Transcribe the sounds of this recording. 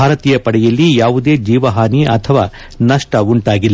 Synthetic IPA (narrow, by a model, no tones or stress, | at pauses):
aːɾɐt̪iːjɐpɐɽɛjɐlːijaːʋud̪e̞ːd͡ʒiːʋɐɦaːniʔɐt̪ʰɐʋaː | nɐʂʈɐuɳʈaːɡilːɐ